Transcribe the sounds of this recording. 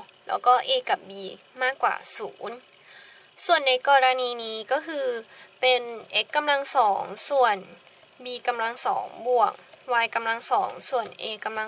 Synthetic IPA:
lɛ̰ː˦˥wkɔː˥˩ʔeː˧ka˨˩p̚biː˧ | maː˥˩kːwa̰ː˨˩sṵː˩˦n | su˨˩ənːa˧jkɔː˧ɾa˧niː˧niː˦˥kɔː˥˩kʰɯː˧pe˧nʔe˦˥kːa˧mla˧ŋsɔː˩˦ŋsu˨˩ən | biː˧ka˧mla˧ŋsɔ̰ː˩˦ŋbu˨˩əŋwaː˧jka˧mla˧ŋsɔː˩˦ŋsu˨˩ənʔeː˧kːa˧mla˧

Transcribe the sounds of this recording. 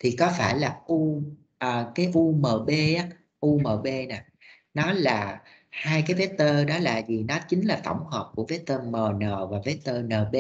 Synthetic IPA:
t̪ʰi˨˩kɔ˨˦faː˧˩jlaː˨˩ʔu˧ | ʔəː˨˩kaː˨˦jʔu˧məː˨˩ɓe˧ʔaː˨˦ | ʔu˧məː˨˩ɓe˧na˨˩ | nɔ˨˦laː˨˩ | haː˧jkaː˨˦jve˨˦˥t̪əː˧ɗɔ˨˦laː˨˩zi˨˩nɔ˨˦t͡ɕï˨˦ŋ̟laː˨˩t̪ə̰˧˩wŋ͡mhəː˨˩p̚ku˧˩əve˨˦˥t̪əː˧məː˨˩nəː˨˩vaː˨˩ve˨˦˥t̪əː˧nəː˨˩ɓe˧

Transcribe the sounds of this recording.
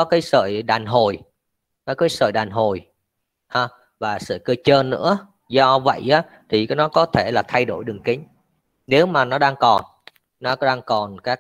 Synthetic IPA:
ɔ˨˦kaː˨˦jsə̰ː˧˨jɗaː˨˩nɦo˨˩j | kɔ˨˦kaː˨˦jsə̰ː˧˨jɗaː˨˩nɦo˨˩j | haː˧˩ | vaː˨˩sɨ̰˧˨kə˧t͡ɕəː˧nːɨ̰˧˥ə | zɔ˧və̰˧˨jʔaː˨˦ | t̪ʰi˨˩kaː˨˦jnɔ˨˦kɔ˨˦t̪ʰe˧˩laː˨˩t̪ʰa˧jɗo˧˩jɗɨ˨˩ŋkï˨˦ŋ̟ | ne˨˦wmaː˨˩nɔ˨˦ɗaː˧ŋkɔ˨˩nː | ɔ˨˦ɗaː˧ŋkɔ˨˩nkaː˦˥k

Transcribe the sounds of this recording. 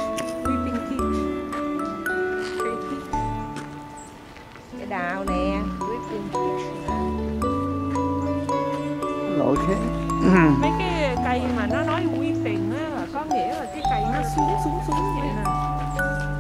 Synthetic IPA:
zi˧pi˧ŋt̪ʰi˦˥k | kaː˨˦jt̪ʰi˦˥k | a˨˦ɗaː˨wnɛ˨˩˧zɨ˨˦pi˧˩ŋt̪ʰi˦˥kː | lo̰˧˨jt̪ʰe˨˦ | vəː˨˦jkaː˨˦jka˧˩jmaː˨˩nɔ˨˦nɔ˨˦jŋwi˧fɛ˨˩ŋʔaː˨˦laː˨˩kɔ˨˦ŋḭ˧˥əlaː˨˩kaː˨˦jka˨˩jnɔ˨˦su˨˦sʊ˨˦ŋ͡msʊ˨˦ŋ͡mɲa̰˧˨naː˨˩˧

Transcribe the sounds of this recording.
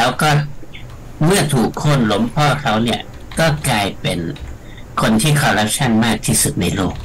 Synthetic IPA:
lɛː˦˥wkɔː˥˩ | mɯ˥˩ɐt̪ʰuː˨˩kʰːo˧˥˨nlo˨˩˦mpʰɔː˥˩kʰa˦˥wni˥˩ɐ | kɔː˥˩klaː˧jpe˧n | kʰo˧nt̪ʰiː˥˩kʰɔː˧ɾa˦˥p̚t͡ɕʰa˥˩˨nmaː˥˩k̚t̪ʰiː˥˩su˨˩t̪̚na˧jloː˥˩k̚

